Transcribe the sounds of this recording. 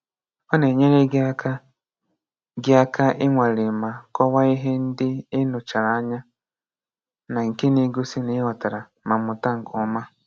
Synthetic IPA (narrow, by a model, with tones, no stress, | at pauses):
ɔ˦ne˨ɲe˦ɾe˦ɡa˦ka˦ | ɡɪ˦a˦ka˦ʔɪ˦ŋʷa˨ɾɪ˨ma˨kɔ˦wa˦i˦ɦe˦n̩˦dɪ˦ɪ˦nʊ˨t͡ʃa˨ɾa˨a˦ɲa˦ | na˨ŋ̩˨ke˦ni˨˦ɡo˦si˦ni˦ɦɔ˨ta˨ɾa˨ | ma˨mʊ˨ta˦ŋ̩˨kʰɔ˨˦ma˦